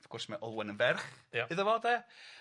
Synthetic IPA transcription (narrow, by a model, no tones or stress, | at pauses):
fkʰʊrsmaʔɔlˠwənənvɛrχjaɨðəvɔːdɛ